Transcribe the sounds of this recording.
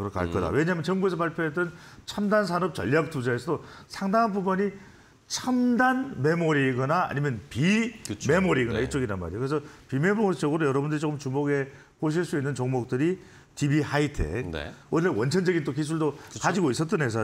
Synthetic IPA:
kɯɾʌka̰ɭk͈ʌda̰we̞ɲamjʌnt͡ɕʌŋbues̬ʰʌpaɭpʰjoɦetʌnt͡ɕʰamdans̬ʰanʌp̚t͡ɕʌ̰ʎːak̚t͈ud͡ʑaesʰʌdosʰaŋdaŋanpubuɲi | t͡ɕʰamdanme̞moɾiɡʌnaa̰ɲimjʌnpime̞moɾiɡʌnait͡ɕ͈oɡiɾanma̰ɾikɯɾesʰʌpime̞mot͡ɕ͈ʌɡɯɾojʌɾʌbundɯɾit͡ɕokɯmt͡ɕumoɡe̞ | poɕ̬ʰiɭs͈uinːɯnt͡ɕoŋmok̚t͈ɯɾi | tibihaitʰḛkn̰oːewʌnt͡ɕʰʌnd͡ʑʌɡint͈ok̬is̬ʰuɭdokad͡ʑiɡois͈ʌt͈ɯnɦe̞s̬ʰʌ

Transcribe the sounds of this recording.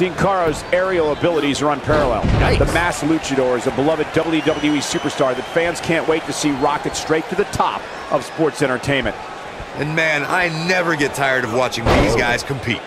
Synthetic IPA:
ĩnkʰɑɹoʊzɛɹioʊəbɪlˠəɾizə˞ə̃npʰɛɹəlˠɛ̰lˠðəmæslʉt͡ʃɨɾɔɹɨzəbəlʌvɨdʌbl̩ˠjʉdʌbl̩ˠjʉisʉpə˞stɑɹðɨtfæ̃nz̥kʰæ̃nʔweɪtʰɨsiɹɑkɨtstɹ̥eɪt̪ʰɨðɨtʰɑ̰p | ʔʌv̥spɔɹtsɛ̃ɾ̃ə˞tʰẽɪ̃nmɨ̃nt̚ | ɨ̃nmæ̃na̰ɪnɛvə˞ɡɛtʰaɪə˞ɾʌvwɑt͡ʃɪ̃ŋðizɡaɪz̥kʰm̩pʰḭt̚

